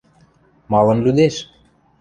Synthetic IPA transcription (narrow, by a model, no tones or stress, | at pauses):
mɑlˠɤ̆nlud̪eʃ